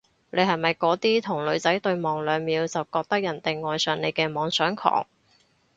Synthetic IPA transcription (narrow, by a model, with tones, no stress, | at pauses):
ne˨˧jhɐ˨jmɐ˨˩jkɔː˨˥t̪iː˥t̪ʰʊ˨˩ŋlɵ˨˧ɥt͡sɐ˨˥jt̪ɵ˧ɥmɔː˨ŋlœː˨˧ŋmiː˨˧wt͡sɐ˨wkɔː˧k̚t̪ɐ˥k̚jɐ˨˩nt̪e˨jŋɔː˨jsœː˨˩ŋne˨˧jkɛː˧mɔː˨˧ŋsœː˨˥ŋkʰɔ̰ː˨˩ŋ